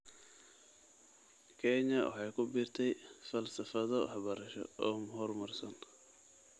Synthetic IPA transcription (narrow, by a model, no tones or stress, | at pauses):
kʰɛɲɐwɑ̰ħɑjkʰʊbɪrt̪ʰɛjfɐlsɐfɐðɔħɑβɐɾɐʃɔ̰ɔːmɦɔrmɐrsɐn